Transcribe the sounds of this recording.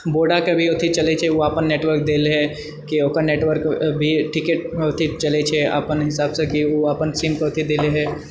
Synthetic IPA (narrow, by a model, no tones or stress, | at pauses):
boːɖakebʱiʊt̪ʰit͡ʃɐlet͡ʃʰeoaːpənːeːʈwəɾk̚d̪eːleɦɛ | kioːkənneːʈʋəɾkbʱiʈɪkeʈ̚ʊt̪ʰit͡ʃɐlet͡ʃʰea̰ːpənɦɪsaːbsekioaːpənsiːmkoʊt̪ʰid̪eːleɦɛː